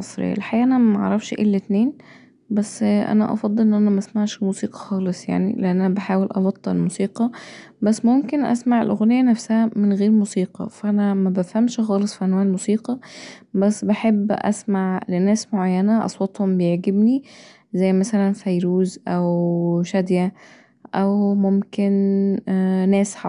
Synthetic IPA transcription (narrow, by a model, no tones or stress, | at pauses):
mɑsˤɾḛjːæ̰lħajæːʔænæmʔɑ̰ʕɾˤɑfʃʔḛlːet̪neːn | bæsːʔæ̰næ̰ʔɑ̰fɑd̪ˤːelʔenːʔænæmæʔsmaʕʃmuːsiːqɑ̥xɑːlesˤja̰ʕnḭleʔænʔænæbeħaːwelʔɑbɑt̪ˤːɑelmuːsiːqɑbæsːmomkenʔæ̰smaʕelʔoɣnejːænæfsæhæmenɣeːɾmusiːqɑ̰fæʔænæmæbæfhæmʃxɑːlesˤfiʔænwæːʕelmusiːqɑbæsːbeħebːʔæ̰smaʕlenæːsmoʕajːænæʔɑ̰sˤwɑt̪ˤhombejeʕɡebni | zæjːmæsælænfæjɾuːzʔæwʃæd̪jæ | ʔæwmomken | næːsħa